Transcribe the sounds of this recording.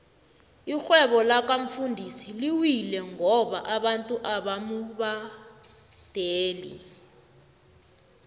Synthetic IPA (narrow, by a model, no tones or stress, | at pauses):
ixwɛɓɔlak̬aɱ̩fundʱisiliwilɛŋɔɓaʔaɓantʼuʔaɓamuɓa | d̥ʱeːlḭ